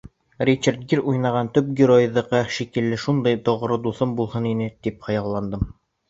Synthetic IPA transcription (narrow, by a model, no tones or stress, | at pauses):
rʲit͡ɕert̪̚ɡiɾujnɑʁɑnt̪ɵp̚ɡʲɪɾojðɑqɑʃikɘ̆lːɘʃund̪ɑjt̪ŏʁ̆ɾɤd̪uθɤmbulˠhɤninɘt̪ipχɑ̆jɑlˠːɑnd̪ɤm